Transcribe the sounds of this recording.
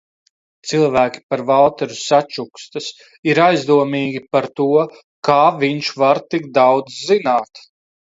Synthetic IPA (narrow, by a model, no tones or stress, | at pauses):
t̪silˠvæːkʲi̥paɾvalˠt̪ɛɾusat͡ʃukst̪ɨs | iɾajzd̪uɔmiːɡʲipaɾt̪uɔ | kaːvʲiɲʃvaɾt̪ik̚d̪awd̪zzinaːt̪